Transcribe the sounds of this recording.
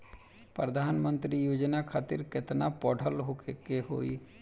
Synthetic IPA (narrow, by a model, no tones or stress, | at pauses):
pɾəd̪ʱaːnmə̃nt̪ɾijoːd͡ʒnakʰaːt̪ɪɾkɪt̪napɔːɖʰʱəlɦoːkekeɦo̰ːi